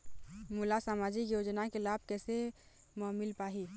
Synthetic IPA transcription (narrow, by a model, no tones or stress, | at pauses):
mulasaːmaːd͡ʒikjoːd͡ʒnakelaːb̚kɛːse | mɔːmɪlpaːɦi